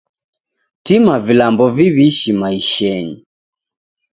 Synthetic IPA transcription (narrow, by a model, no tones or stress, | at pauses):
timavilambɔviβiʃimaiʃɛɲi